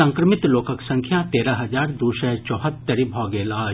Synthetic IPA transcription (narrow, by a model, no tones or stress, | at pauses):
ɐ̃ŋkɾəmɪt̪loːkəksɐ̃ŋkʰjat̪eːɾɐɦɐd͡ʒaːɾd̪uːʃɐt͡ʃɔːɦət̪ːəɾibʱɔːɡeːlaː